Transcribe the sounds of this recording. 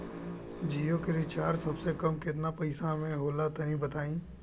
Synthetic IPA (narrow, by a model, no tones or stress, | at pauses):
d͡ʒiːjokeɾit͡ʃaːɾsɐbsekɐmkɪt̪̬napɐɪsamẽɦoːlat̪ɐnĩbɐt̪aːĩː